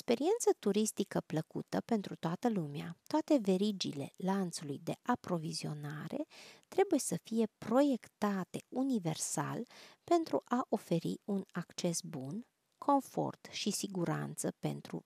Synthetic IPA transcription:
ekspe̞ɾie̞nt̪sət̪uɾist̪ikəpləkṵt̪əpe̞nt̪ɾut̪oat̪əlumea̰t̪oat̪e̞ve̞ɾid͡ʒḭle̞̰lant̪sulujd̪e̞ʔapɾo̞vizio̞naɾe̞̰t̪ɾe̞buje̞səfije̞pɾo̞je̞kt̪at̪eunive̞̰rsa̰lpe̞nt̪ɾuʔaʔo̞fe̞ɾḭunakt͡ʃe̞sbun | kʰo̞ɱfo̞̰rt̪ʃisiɡuɾa̰nt̪səpe̞̰nt̪ɾṵ

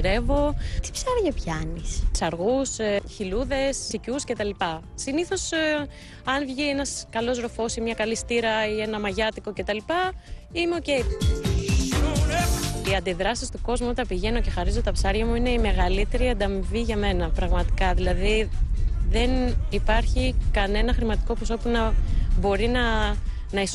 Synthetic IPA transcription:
ɾe̞vo̞t̪i̥psɐɾʝɐpçɐnispsɐɾɣusçiluðe̞ssicusce̞t̪ɐlipɐ | siniθo̞s | ɐnvʝie̞nɐskɐlo̞szɾo̞fo̞simɲɐkɐlist̪iɾɐie̞nɐmɐʝɐt̪iko̞ce̞t̪ɐlipɐimeoce̞j | iɐnd̪iðɾɐsist̪oko̞zmuot̪ɐpiʝe̞no̞ce̞xɐɾizot̪ɐpsɐɾʝɐmuineime̞ɣɐlit̪e̞ɾiɐnd̪ɐmiviʝɐme̞nɐpɾɐɣmɐt̪i̥kɐðilɐði | ðe̞nipɐɾçikɐne̞nɐxɾimɐt̪i̥ko̞pos̬o̞punɐbo̞ɾinɐ | nɐis

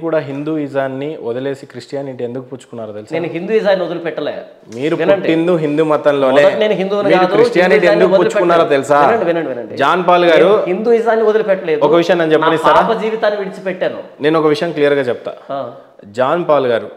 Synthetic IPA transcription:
kuːɽaːɦind̪uːizaːnːiɔd̪ɐle̞ːsikɾiʂʈijaːniʈiend̪ukupuːt͡ʃːu̥kunːaːɾoːt̪elisnenuɦind̪uːizaːnːiod̪ɐlupɛʈːɐlḛː | miːɾunɐɳɖʈːind̪uɦind̪uːmɐt̪ːɐnlo̞ːne̞ɐkneːnuɦind̪uːmiːaːɾd̪ukɾiʂʈjjaːniʈ̬iend̪ukupuːɐlt͡ʃukunːaːɾaːt̪elisaːnɐɳɖiʋɛnɐɳɖiʋɛnɐɳɖid͡ʒaːnpaːwlɡaːɾuɦind̪uːizaːnːiɔd̪ɐlupɛʈːɐle̞ːdɔkɐʋiʂɐjɐmneːnut͡ʃɛppɐnisst̪aɾaːpɐd͡ʒiːʋit̪aːnːiʋiɽit͡ʃi̥pɛʈːaːnṵneːnɔkɐʋiʂɐjɐmklijɐɾɡaːt͡ʃɛp̚t̪a̰ː | d͡ʒaːnpaːlɡaːɾu

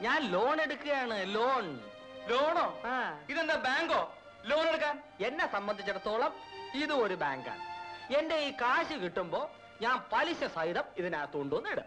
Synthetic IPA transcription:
ɲaːnlo̞ːɳe̞ɽukːɨɣɐjaːɳɨloːɳ | loːɳoːaːiðend̪aːbaːŋɡo̞ː | lo̞ːneɽuk̬ːaːn | e̞nːesɐmbɐnd̪ʱit͡ɕːɐrɐt̪ːoːɭɐmiðuoɾubaːŋɡa̰ːnɨe̞nde̞iːkaːɕikiʈːumbo̞ː | ɲaːnpɐliɕɐsɐjðɐmiðinaːt̪uːɳɖuʋɐnːijɽɨ̰

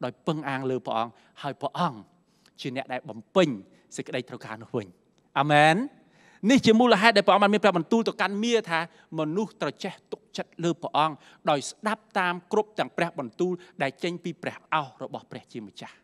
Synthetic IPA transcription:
ɗaɔjpɨŋʔaːŋləːpə̰̆ʔɑŋ | haəjprɛə̆ʔɑŋ | t͡ɕiənɛ̆əʔɗaɛlɓɑmpɨɲ | səc̚kə̆ɗəjt̪ʰrəwka̰ːnʊ̆əhʋɨ̰ɲ | ʔamɛːnː | iht͡ɕiəmuːləɦaɛt̪̚ɗaɛpɛəʔɑŋɓaːnmiənprɛəɓɑnt̪uːlt̪ɨwkanmiət̪ʰaː | mɔnuht̪rɑt͡ɕeht̪uk̚t͡ɕət̪̚ləːprə̆ʔɑŋ | ɗaɔjsɗap̚t̪aːmkrup̚t̪ɛ̆əŋprɛ̆əhɓɑnt̪uːlɗaɛlt͡ɕəɲpiːprɛ̆əhʔaɔhrɔɓɑhprɛ̆əht͡ɕiəmət͡ɕah

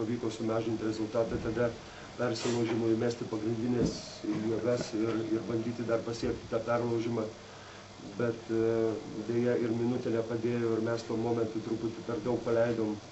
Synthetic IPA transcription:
pɐʋʲiːkoːsʊmɑːʒʲɪnt̪ʲɾʲɛzʊlˠt̪ɑːt̪ɑt̪ɐd̪ɐ | pʲɛrʲsʲɪlˠɐʊʒʲɪmoːɪmʲæːsʲt̪ʲɪpɐɡɾʲɪnʲd̪ʲɪnʲeːs | juɡɐsɪrɪrbɐnʲd̪ʲiːt̪ʲɪd̪ɐrpɐsʲiɛkt̪ʲɪt̪ɑːpʲɛrlˠɐʊʒʲɪmɑː | bʲɛt̪ | d̪ʲeːjɛɪɾmʲɪnʊt̪ʲɛlʲɛpɐd̪ʲeːjoːɪɾmʲɛst̪uɔmoːmʲɛnt̪ʊt̪ɾʊpʊt̪ʲɪpʲɛrd̪ɐʊk̚pɐlʲɛɪd̪oːm

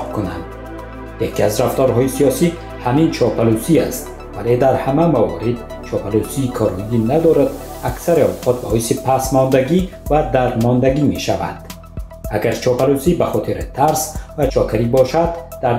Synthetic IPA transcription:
kuna̰nd̪ | jekiazɾaft̪ɔɾɦɔisiɒsi | hamint͡ʃʰɒpalusiast̪ | vale̞d̪aɾhamamavɔ̰ɾid̪ | t͡ʃʰɒpʰalusiːkʰɔɾid̪inad̪ɔɾad̪aksaɾiɔwqʰɔt̪̚bɔhisipʰasmɔnd̪aɡivad̪aɾmɔnd̪aɡime̞ʃava̰nd̪̥ | aɡaɾt͡ʃʰɒpalusibaχɔt̪ʰiɾit̪ʰaɾsvat͡ʃʰɔkʰaɾibɔʃad̪ːaɾ

